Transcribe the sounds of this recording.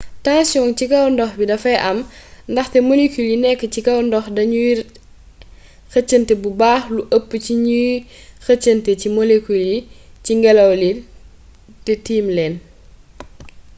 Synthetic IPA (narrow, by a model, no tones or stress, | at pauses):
taŋsɔŋcikɐwndɔxbidɐfɐjʔɐmndɐxtɛmolekuljinɛkːəcikɐwndɔxdɐɲuji | xət͡ʃːəntɛbubaːxluʔəpːəciɲuxət͡ʃːəntɛcimɔlekuljiciŋɡɛlɐwli | tɛtiːmlɛːn